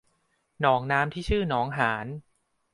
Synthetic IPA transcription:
nɔː˩˦ŋnaː˧˥mt̪ʰiː˥˩t͡ɕʰɯː˥˩nɔː˩˦ŋɦaː˩˦n

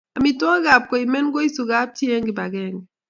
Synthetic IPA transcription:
a˨mi˨twɔ˦ɡa˨p̚kɔ˨i˨mɛ˦nɡo˦i˦su˨ɡa˦p̚tje˦ŋɡɪ˨ba˨ɡɛː˦ŋɡɛ˨

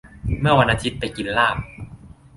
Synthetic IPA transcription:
mɯ˥˩ɐwa˧nʔa˧t̪ʰi˦˥t̪̚pa˧jki˧˨nlaː˥˩p̚

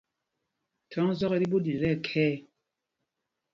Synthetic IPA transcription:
tʰɔ˨˦zɔ˦kɛ˦ɾi˦bo˦di˨ɾɛ˦˨kʰɛː˦

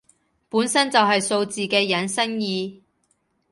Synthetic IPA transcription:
puː˨˥nsɐ˥nt͡sɐ˨wɦɐ˨jso˧wt͡siː˨kɛː˧jɐ˨˥nsɐ˥njiː˧

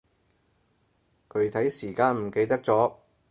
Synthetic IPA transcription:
kʰɵ˨˥ɥt̪ʰɐ˨˥jsiː˨˩kaː˧nm̩˨˩ke˧jt̪ɐ˥k̚t͡sɔː˨˥

